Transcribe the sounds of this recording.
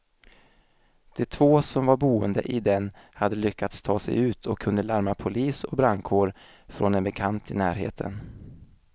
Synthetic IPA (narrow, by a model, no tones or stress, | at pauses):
d̪̥ɛt̪ʰvoːsɔmvaɾbuːənd̪ə̰ʔɪd̪ɛnhad̪ːəlʏkːat̪st̪ʰɑːsɛ̰jʉ̟ːt̪ʰɔkʰːɵnd̪əlaɾmapʰʊliːsɔk̚bɾaŋkʰoːɖ | fɾɔnd̪ɛnbɛkʰant̪ʰɪnæːɾhḛːt̪ʰə̰n